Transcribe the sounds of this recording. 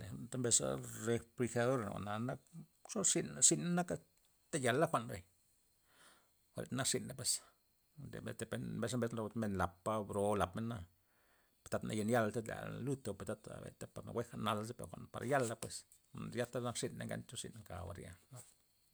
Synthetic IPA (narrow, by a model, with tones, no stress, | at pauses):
e˨t̪a˦mbe˧sa̰˦ɾe˧pli˧xa˧ðo˦ɾa̰˨wa̰˨na˨na˦k | ʂo˦ʂi˧nʂi˧nana˦ka˦ | t̪a˦ja˨lːa˦xʷa˨ʔnbe˨ɲ | wʷa̰˨lḛ˨t̪na˦kʂi˧nda˦pwe˧s | ḛ˨bḛ˨t̪e˧pe˦nmbe˧s̬a˦mbe˧sna˧lo˧t̪me˧nla˨pːa˧bɾo˧la˨pme˦nːa˦˧ | pe̥˧t̪a˧˦t̪nʔa̰˧je˧nja˦˧lt̪a˦la̰˨lu˦t̪o˧pe˧t̪a˦t̪a̰bḛ˨t̪a˦pa˨ɾna̰˨we˦xana˧la˧z̬e˦pḛ˨ɾxʷa̰˨npa˨ɾa̰˨ja˦lːa˧pwe˧s | ja˦t̪a˦na˦kʂi˧nːa̰˧ŋɡa̰˦nt͡ʃ̪o˦ʂḭ˧nŋka̰˨wa̰˨ɾja̰˧la˧t̪